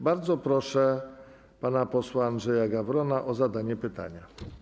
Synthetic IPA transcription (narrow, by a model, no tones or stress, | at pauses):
baɾd̪zɔpɾɔʂɛ | panapɔswaːndʐɛjaɡavɾɔnaʔɔzad̪aɲɛpɘt̪a̰ɲa